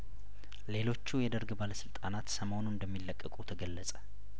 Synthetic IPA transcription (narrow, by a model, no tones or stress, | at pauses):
le̞lo̞t͡ʃːujɛd̪əɾɡbaləsɨlt̪ʼanat̪səmo̞nuɨnd̪əmːilːəkʼːəkʼut̪ʰəɡəlːəsʼə̥